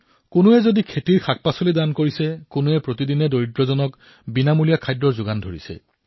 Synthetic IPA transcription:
kʊnʊɛzodikʰetiɹxʰak̚pasolidankoɹisɛkʊnʊɛpɹotidinɛdoɹidɹɔzɔnɔk | binamulijakʰajdɹɔɹzʊɡandʱoɹḭsɛ̰

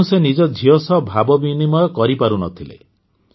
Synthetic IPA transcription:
usenid͡ʒɔd͡ʒʱiɔsɔbʱabɔbinimɔjɔkɔɾipaɾunɔt̪ʰilḛ

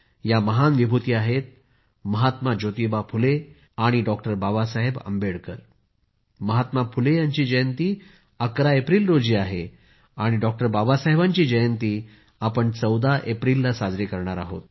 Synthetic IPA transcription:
jaməɦanʋibʱut̪iːaɦet̪̚ | məɦat̪mad͡ʑot̪ibapʰule | aɽ̃iɖɔkʈəɾbabasaɦebə̰mbeɽkəɾ | məɦat̪mapʰulejaɲt͡ɕiːd͡ʑəjənt̪iː | əkɾaepɾiːlɾod͡ʑiːaɦe | aɽ̃iɖɔk̚ʈəɾbabasaɦebaɲt͡ɕiːd͡ʑəjənt̪iː | apəɳt͡səwd̪aʔepɾilːasad͡zɾekəɾɳaɾaɦo̰t̪̚

